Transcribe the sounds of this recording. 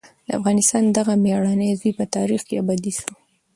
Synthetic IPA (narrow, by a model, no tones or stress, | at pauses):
d̪əa̰fɣɑnɪst̪ɑnd̪aɣameɑɽanəjzijpət̪ɑɾixkeabɑd̪iʃu